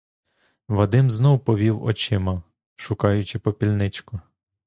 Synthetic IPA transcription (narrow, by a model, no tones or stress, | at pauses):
ʋɐd̪ɪmznɔwpɔʋʲiwɔ̰t͡ʃɪmɐ | ʃʊkɑjʊt͡ʃɪpɔpʲilʲnɪt͡ʃkʊ